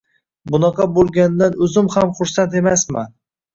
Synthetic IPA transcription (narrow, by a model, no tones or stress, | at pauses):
bʊnɑqʰɑbolˠɡʲand̪anɵzɪmhamχʊɾsant̪e̞masma̰n